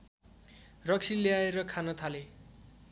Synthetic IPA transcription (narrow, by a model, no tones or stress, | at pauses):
rʌksʰileaeɾʌkʰanʌt̪ʰale